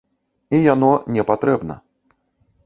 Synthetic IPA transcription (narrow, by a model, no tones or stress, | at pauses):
ijanɔnʲɛpat̪ɾɛbnɐ̰